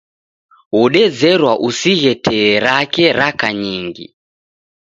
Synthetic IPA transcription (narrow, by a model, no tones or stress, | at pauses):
uɗɛd͡zɛrwaʔusiɣɛtʰɛɾakeɾakaɲiŋɡḭ